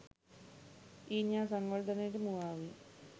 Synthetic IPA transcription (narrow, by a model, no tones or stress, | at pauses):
iːɲaːnsɐŋːoɭd̪ɐneɾumuʋaːʋi